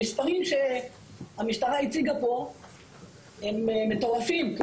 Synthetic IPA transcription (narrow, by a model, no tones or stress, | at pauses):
ispaʁimʃe̞ | amiʃt̪aʁait͡siɡapo̞ | hemmet̪o̞ʁafimk